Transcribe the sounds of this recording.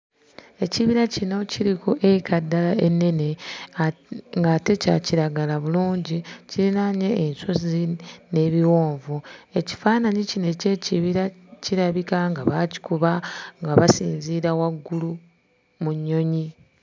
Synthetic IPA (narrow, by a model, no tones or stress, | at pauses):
e̞ciβiɾacino̞ciɾikoʔeikʰadːalae̞nːe̞ne̞ | ŋɡaːte̞ca̰ciɾaɡalaβuluːɲɟiciinaɲe̞ːnsozine̞βiwo̞ːɱvue̞ci̥faːnaɲicine̞ce̞ciβiɾaciɾaβikaŋɡaβaci̥kuβaŋɡaβasḭːnziːɾawaɡːulu | muɲːo̞ɲi